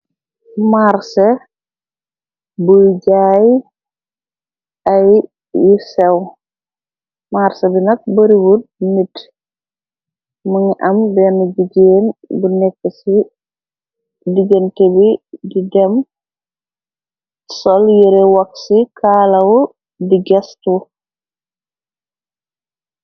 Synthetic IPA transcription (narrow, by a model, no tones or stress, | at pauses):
maɾse | buɟaːj | ɐj | jusɛw | maɾsɐbinɐk̚bɐɾiwudnit | məŋʔɐmbɛnuɟiɟeːnbunɛkːəsi | diɡəntebididɛm | sɔljiɾewɐksikʰaːlɐw | diɡɛstu